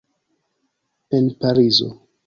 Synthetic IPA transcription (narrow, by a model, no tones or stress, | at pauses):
enpaɾizo̰